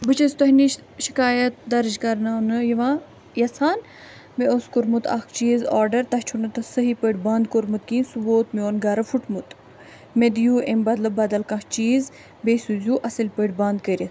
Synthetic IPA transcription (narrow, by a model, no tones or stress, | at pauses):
bɨt͡ʃɐsʲt̪ɐɦniʃ | ʃi̥kaːjɐt̪̚d̪ɐɾd͡ʒkɐɾnanɨjɐʋãː | jɐsaːn | meʔoskoɾmut̪ɐ̰kʰt͡ʃiːzaːɾɖɐɾt̪ɐht͡ʃʰunɨt̪ɐsəɦipəʈbɐːnd̪koɾmut̪kĩːnsuboːt̪mioːnɡaːɾɐfuʈmut̪ | med̪juːʔembɐd̪lɐbːɐd̪ɐlkãkt͡ʃiːz | beːsuzʲjuːʔɐsɨlʲpəʈbɐ̃ːnd̪̚kəɾʲit̪